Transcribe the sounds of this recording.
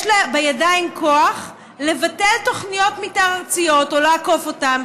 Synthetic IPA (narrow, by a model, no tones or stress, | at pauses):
ʃlebejadaimkʰoaχ | le̞vate̞lto̞χnijo̞tmitaʁaʁt͡sijo̞tolaako̞fo̞tam